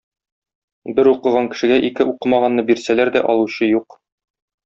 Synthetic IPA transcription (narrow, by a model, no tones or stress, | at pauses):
bɘɾuqɤ̆ʁɑŋkɘ̆ʃɘ̆ɡæʔikɘʔuqɤmɑʁɑnːɤbiɾsælæɾd̪æ̰ʔɒ̰lˠuɕɤjuq